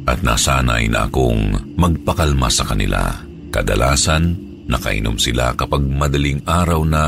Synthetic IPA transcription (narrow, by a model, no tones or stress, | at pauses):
ʔɐt̪̚na̰ːsanajnɐ̰ʔɐ̰ko̞̰ŋmɐɡ̚pɐkɐlmasɐkɐnɪla̰ | kɐd̪ɐlʔaːsɐnː | ɐkɐʔɪ̰no̰msɪla̰kɐpaɡ̚mɐd̪ɐliŋʔaːɾɐwnɐ